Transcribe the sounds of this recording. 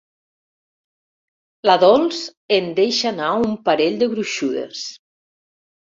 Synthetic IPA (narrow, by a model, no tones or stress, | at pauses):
laðɔlˠzend̪eʃanaumpaɾeʎʲd̪eβɾuʃuðḛs